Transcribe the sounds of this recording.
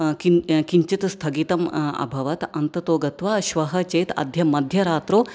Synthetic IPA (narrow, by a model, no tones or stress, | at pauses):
kikiɲt͡ʃit̪st̪ʰɐɡit̪ɐmɐ̰bʱɐʋɐt̪ɐ̰nt̪ɐt̪oːɡɐt̪ʋaːʃʋɐɦɐt͡ʃɐjt̪ɐ̰d̪ʱjɐmɐd̪ʱjɐɾaːt̪ɾoː